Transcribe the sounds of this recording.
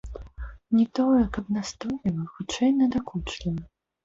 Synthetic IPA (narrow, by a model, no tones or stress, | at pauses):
nʲit̪ɔjɛkɐbnast̪ɔlʲivɐxut͡ʂɛjnɐd̪akut͡ʂlʲɛn